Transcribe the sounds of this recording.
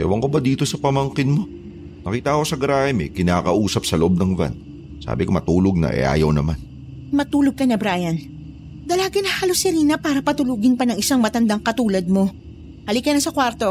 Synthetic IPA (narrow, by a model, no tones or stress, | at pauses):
kɛ̰wɐŋkobɐd̪iːt̪o̞sɐpɐmɐŋkɪnmo̞ | nɐkiːt̪ɐko̞sɐɡɾaːmɪ̰kɪnaːkɐʔuːsɐp̚sɐloʔob̚nɐŋva̰n | sa̰ːbɪkomɐt̪uːloɡ̚nɐ̰ʔɛ̰ʔa̰ːjɐwnɐman | mɐt̪uːloɡ̚kɐnɐbɾaːjɐn | d̪ɐlaːɡɐnɐhaːlosɛɾiːnɐpaːɾɐpɐt̪ʊluːɡɪnpɐnɐŋɪsaŋmɐt̪ɐnd̪aŋkɐt̪uːlɐd̪̚mo̞ | hɐlikɐnɐsɐkwaɾt̪o̞